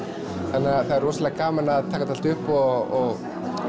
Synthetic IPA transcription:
θanːɪaθaðɛɾvɔːsalɛɣkaːmanaðt̪ʰaːkat̪ʰal̥t̪ʏhpɔɣɔɣ

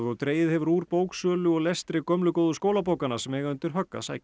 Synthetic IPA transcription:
ðɔɣt̪ɾeːjɪðhɛvɾuːɾpoːwksœːlʏɔɣlest̪ɾɪkœmlʏkoːwðʏskoːwlapoːwkanḁsɛmɛɣaʏnt̪ʏɾ̥ɦœkːa̰sa̰jcɪ̥

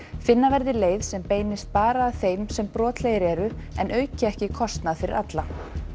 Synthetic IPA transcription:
fɪnːavɛɾðɪleːjðsɛmpeːjnɪst̪̚paːɾaːðθejmsɛmpɾɔːt̪lejɪɾɛɾʏɛnʔœːɥcɪɛhcɪkʰɔst̪naðfɪɾɪ̰ɾʔat̪la

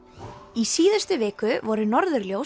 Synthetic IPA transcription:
isiːðast̪ʏvɪːkʏvɔɾʏnɔɾðʏɾljow

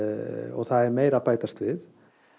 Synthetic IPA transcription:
ɔ̰ɣθaðɛɾmeːjɾapaːjt̪ast̪vɪð

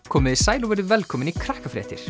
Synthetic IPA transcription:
kʰɔːmɪðisaːjlɔvɛɾðʏvɛlkʰɔːmɪnikʰɾahkafɾɛ̰ːht̪ɪɾ̥

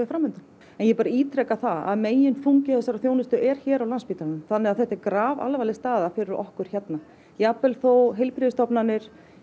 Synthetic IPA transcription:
ɪfɾamːʏnt̪an | ɛnjɛpaːɾaiːt̪ʰɾɛkaθaða̰ðmeːjɪnfuɲcɪθɛsːaɾaθjoːwnɪst̪ʏʔɛɾ̥çɛːɾawlanspiːt̪anʏmθanːɪaðθɛht̪ɛɾkɾaːva̰lvaːlɪst̪aːðafɪɾɪɾɔ̰hkʏɾ̥çɛt̪na | japɛlθowɦɪlpɾɪðɪst̪ɔpnanːɪɾ̥

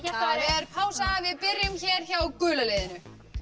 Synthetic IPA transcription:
aɛɾpʰaːwsaavɪðpɪrjʏmçɛːɾ̥çaːwkʏːlaleːðɪnʏ

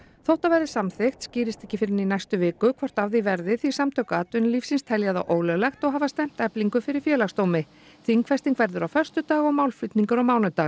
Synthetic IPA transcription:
θowht̪avajɾðɪsamθɪxt̪sciːɾɪst̪ɛ̥hcːɪfɪɾɪninajst̪ʏvɪːkʏkʰvɔɾ̥t̪avðɪivɛɾðɪθi̥samt̪ʰœkaːt̪ʏnlifsinst̪ʰɛljaða̰wʔoːwlɛɣlɛxt̪ɔɣɦaːvast̪ɛm̥t̪ɛpliŋkʏfɪɾɪɾ̥fjɛːlaxst̪oːwmɪ | θiŋkfɛst̪iŋkvɛɾðʏɾawfœr̥st̪ʏt̪aːɣɔɣmaːwlflʏt̪niŋkaɾɔwmaːwnʏt̪aːɣ

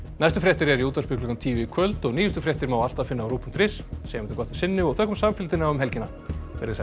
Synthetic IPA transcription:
najst̪ʏfɾjɛht̪ɪɾɛɾiuːt̪aɾspɪklʏŋkamt̪ʰiːvɪkʰœlt̪ɔɣniːjʏst̪ʏfɾjɛht̪ɪɾmaːwalt̪aðfɪnːaːwɾuːpʏm̥t̪ɾɪssɛjmɛnt̪ɪkɔht̪ɪ̥sɪnːʏɔɣθœhkːʏmsamfɪlt̪ɪnawʏmɦɛlcɪna | vɛɾðɪsɛ

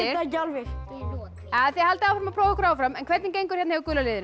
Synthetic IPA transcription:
ɪacalvɪɾ̥ | aðθjɛhalt̪awfɾamapʰɾoːwðakʰɾaːwafɾamɛnkʰvɛt̪nɪncejŋkʏ̥ɾ̥jɛt̪ahɛvɾkʏlalɪːðɪn

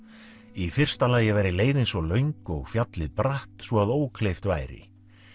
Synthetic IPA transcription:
ifɪr̥st̪alaːjɛvɛɾɪleːjðɪnsvɔlœɥŋkɔɣfjat̪lɪðpɾaht̪svɔaðoːwkʰlejft̪vaːjɾɪ̰

